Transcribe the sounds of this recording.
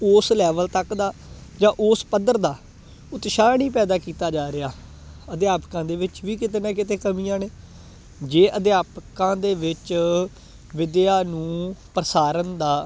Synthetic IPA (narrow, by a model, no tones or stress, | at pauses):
oːslɛːʋəlt̪əkd̪aːd͡ʒãːʔoːspəd̪əɾd̪aː | ʊt̪ʃaːɳiːpɛːd̪aːkiːt̪aːd͡ʒaːɾɪjaː | əd̪jaːpkãːd̪eːʋɪt͡ʃʋiːkɪt̪eːnãːkɪt̪eːkəmiːãːneː | d͡ʒeːʔəd̪ɪjaːpkãːd̪eːʋɪt͡ʃ | ʋɪd̪ɪjaːnũːpəɾəsaːɾənd̪aː